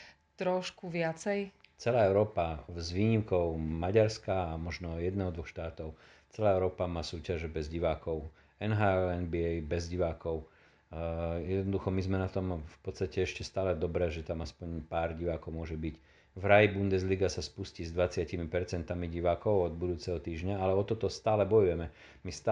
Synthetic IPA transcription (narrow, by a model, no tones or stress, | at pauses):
t̪ɾɔʃkuʋɪat͡sɛjt͡sɛlaːɛʊɾɔːpazʋiːɲimkɔʊmaɟaɾskaːmɔʒnɔjɛd̪nɛːɦɔd̪ʋɔxʃt̪aːt̪ɔʊ | t͡sɛlaːɛʊɾɔːpamaːsuːcaʒɛbɛzɟiʋaːkɔʊ | ɛnɦaːɛɛnbiɛjbɛzɟiʋaːkɔʊ | jɛd̪nɔd̪uxɔmizmɛnat̪ɔmfpɔt̪st̪acɛɛʃcɛst̪aːlɛd̪ɔbɾɛːʒɛt̪amaspɔɲpaːɾɟiʋaːkɔʊmʊɔʒɛbic | vɾajibund̪ɛzliɡasaspuscizd̪ʋat͡sɪacimipɛɾt͡sɛnt̪amiɟiʋaːkɔʊɔd̪bud̪uːt͡sɛɦɔt̪iːʒɲaalɛɔt̪ɔt̪ɔst̪aːlɛbɔjujɛmɛ | mist̪a